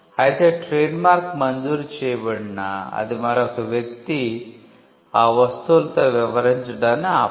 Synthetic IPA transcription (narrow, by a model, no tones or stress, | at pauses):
hajt̪eʈɾenmaɾkmənd͡zuːɾt͡ɕeʋəɽnaa̰d̪imaɾak̪ʰeʋjəkt̪i | aʋəst̪olt̪əʋɛʋɾãnd͡ʑəd̪ana